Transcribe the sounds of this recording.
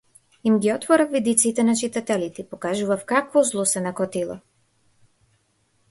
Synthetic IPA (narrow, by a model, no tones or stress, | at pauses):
imɡʲiɔt̪vɔɾaxvid̪it̪sit̪ɛnat͡ʃit̪at̪ɛlit̪ɛpokaʒuvafkakvɔzlˠusɛnakɔt̪ilˠɔ̰